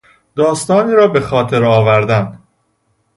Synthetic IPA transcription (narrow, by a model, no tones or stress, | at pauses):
d̪ɒːst̪ɒːniːɾɒːbe̞xɒːt̪ʰe̞ɾɒːvæɾd̪æn